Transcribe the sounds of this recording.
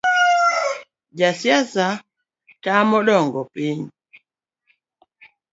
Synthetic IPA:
d͡ʒasjasa | tamɔɗɔŋɡɔpiɲ

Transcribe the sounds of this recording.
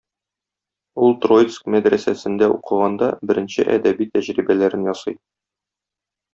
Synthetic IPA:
ulˠt̪rot̪skmæd̪ɾæsæsɘ̆nd̪æuqɤ̆ʁɑnd̪ɑbɘ̆ɾɘ̆nɕɘʔæd̪æbit̪æʑɾibælæɾɘnjɒsɤj

